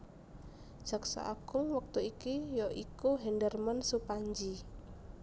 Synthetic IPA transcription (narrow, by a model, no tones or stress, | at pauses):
ʒ̥a̤ksa̰ʔa̰ɡ̥ʊŋwək̚t̪uikijɔʔikuɦɛndərmənsupaɲd͡ʒi